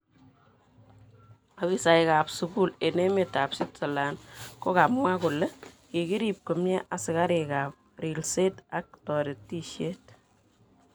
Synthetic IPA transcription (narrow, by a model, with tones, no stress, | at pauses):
a˨bi˦sa˨jka˨psu˧ku˦le˨ne˦me˨ta˨psɪ˦tsɔ˨la˨nko˦ka˨p̚mwa˦kʊ˨le˦ki˨ki˦ɾi˨p̚ko˨mɲɛ˦ʔa˨sɪ˨ka˦ɾe˨ka˨p̚ri˨lse˦ta˨k̚tɔ˨ɾe˨tːi˦ʃje˦t